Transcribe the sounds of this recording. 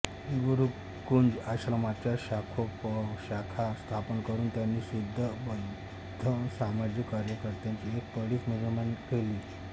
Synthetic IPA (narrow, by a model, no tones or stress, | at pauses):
iɡəɾu | kond͡zaɕlamat̪t͡ɕjaɕakʰopəɕakʰast̪ʰapənkəɾuːnt̪janːiːsud̪ʱːəbə | dd̪ʱːəsamad͡ʑikːaɾjəkəɾt̪jaɲt͡ɕiek̚pəɽiːt͡smud͡zəmankeliː